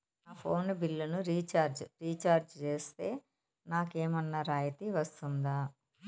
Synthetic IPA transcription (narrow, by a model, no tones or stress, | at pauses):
naːpʰo̞ːnbilːunuɾiːt͡ʃaːɾd͡ʒɾiːt͡ʃaːɾd͡ʒt͡ʃe̞ːst̪e̞ː | naːkeːmɐnːɐɾaːjɐt̪iʋɐst̪und̪aː